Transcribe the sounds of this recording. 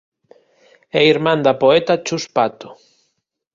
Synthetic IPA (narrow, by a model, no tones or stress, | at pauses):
ɛiɾmãnd̪apoet̪at͡ʃuspat̪o̥